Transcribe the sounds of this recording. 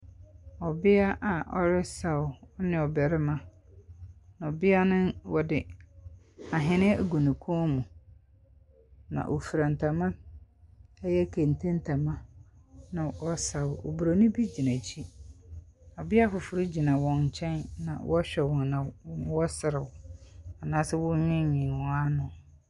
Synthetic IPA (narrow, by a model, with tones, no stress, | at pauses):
ɔ˨bɪ˦a˦ʔa˨ʔɔ˦ɾɪ˦sa˨wɔ˦nɪ̃˨ɔ˨bɛ˨ɾɪ˦mã˦ | na˨ɔ˨bɪ˦a˦nɪ̃˦wɔ˦dɪ˦ | a˨ɦɪ̃˨nɪ̃˦˨ɡu˨nũ˨kʰũ˦mũ˨ | nã̰˨ʔo˨fi˨ɾã˨n˨tʰa˨mã˦ | jɛ˦kʰẽ˨n˨tʰẽ˦n˦tʰa˨mã˦ | nã˨wɔ˦sa˨wʊ˨ʔo̰˨bu˨ɾo˨nʊ̃˦bi˦d͡ʑi˨nã˨t͡ɕʰi˦ | ɔ˨bɪ˦a˦fʊ˨fʊ˨ɾɪ˦d͡ʑi˨nã˨wɔ̃˨ɲ̩˨t͡ɕʰɛ̃˦nnã̰˨wɔ˦ɕᶣɛ˨wɔ̃˨nnã˨˦wɔ˦sɪ˨ɾɪ˨wʊ˨a˨nãː˦sɪ˦wʊ̃˦ɲɪ̃˦ɲɪ̃˨nwɔ̃˨a˦nʊ̃˨